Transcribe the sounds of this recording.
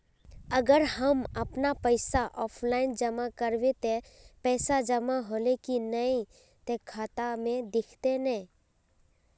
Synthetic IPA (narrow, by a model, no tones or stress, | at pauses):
əɡəɾhəmɐpnapəɪsaʔɔːpʰlaːɪnd͡ʒəmakəɾwet̪epɛːsad͡ʒəmaɦoːlekinəĩ | t̪ekʰaːt̪amẽd̪ɪkʰt̪enɛ̃